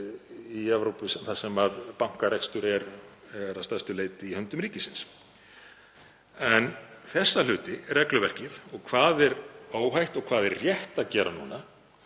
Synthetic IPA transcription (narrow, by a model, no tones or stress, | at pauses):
iɛvɾowpɪsɛmθasɛmaðpawŋ̥kaɾejkst̪ʏɾɛɾ | ɛɾast̪ɛ̥st̪ʏleːjt̪ɪihœnt̪ʏmɾiːcɪsɪns | ɛnθɛsːalʏːt̪ɪrɛklʏvɛr̥cɪθɔɣkʰvaːðɛɾaːwɦajht̪ɔɣkʰv̥aːðɛɾrrjɛht̪aðcɛːɾanṵːna